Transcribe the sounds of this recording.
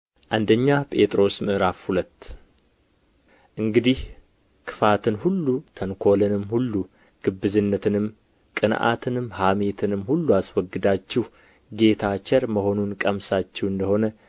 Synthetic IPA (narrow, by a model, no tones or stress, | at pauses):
ʔand̪əɲːapʼe̞t̪ʼɾo̞smɨʔɾafhulət̪ː | ʔɨŋɡɨd̪ih | kʰɨ̥fat̪ʰɨnhulːut̪ʰənkʰo̞lɨnɨmhulːu | ɡ̥ɨbːɨzɨnːət̪ʰɨnɨm | kʼɨnʔa̰t̪ʰɨnɨmhamet̪ʰɨnɨmhulːuaswɔɡːɨd̪at͡ʃːɛh | ɡe̞t̪ʰat͡ʃɛɾməho̞nunkʼəmsat͡ʃːɛwɨnd̪əho̞nə